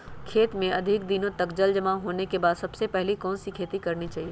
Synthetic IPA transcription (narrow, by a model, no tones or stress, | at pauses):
kʰeːt̪mẽɐd̪ʱɪk̚d̪inõt̪ɐkd͡ʒəld͡ʒɐmaɦoːnekebaːd̪sɐbsepɛɦlikɔːnsikʰeːt̪ikɐɾnit͡ʃaːɦieː